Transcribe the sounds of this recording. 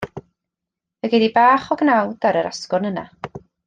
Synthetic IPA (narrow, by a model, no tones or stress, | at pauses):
əɡedibaːχɔɡnawdaɾəɾa̰skʊrnəna̰